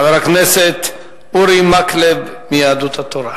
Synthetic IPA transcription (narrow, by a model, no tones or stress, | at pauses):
veɾakneset̪ | uɾimaklebmijaːd̪ut̪at̪oɾa